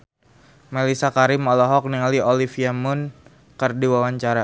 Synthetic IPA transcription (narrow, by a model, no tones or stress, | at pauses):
melisakaɾɪmɔlɔɦɔk̚niŋaliolifiamʊn | kərdiwawaɲt͡ʃaɾa